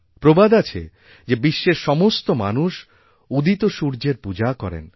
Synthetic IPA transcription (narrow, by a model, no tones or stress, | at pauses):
pɾobad̪at͡ɕʰḛ | d͡ʑebiʃːeɾʃɔmost̪oma̰nuʃ | ud̪it̪oʃuɾd͡ʑeɾpud͡ʑakɔ̰ɾḛn